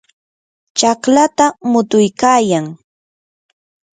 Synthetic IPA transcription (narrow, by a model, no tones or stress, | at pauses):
t͡ʃɑklat̪amʊt̪ʊjkaːjaŋ